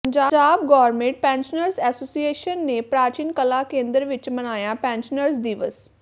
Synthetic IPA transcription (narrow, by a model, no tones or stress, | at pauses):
ɲd͡ʒaːd͡ʒaːb̚ɡɔːɾmẽɳʈ̚pɛ̃ːnʃənəɾsɛːsoːsieːʃənːeːpɾaːt͡ʃiːnkəlaːkẽːnd̪əɾʋɪt͡ʃmənaːjaːpɛ̃ːnʃənəɾsd̪iːʋəs